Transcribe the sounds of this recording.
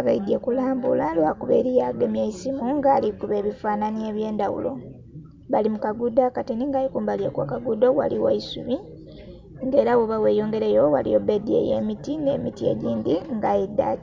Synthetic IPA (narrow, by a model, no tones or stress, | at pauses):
aβaidiekulaːmbulalwakuβe̞̰ɾijaɡemjaisimuŋɡaːlikuβe̞ːβifaːnanieβje̞ːndawṵlo̞ | βalimukaɡudakatiniŋɡajikuːmbaljekwa̰kaɡudowa̰liwa̰isuβi | ŋɡeːɾawoβaweːjoːŋɡe̞ɾejowa̰lḭjobedie̞̰jḛmitine̞ːmitie̞̰ɟiːndiŋɡajidːa̰̥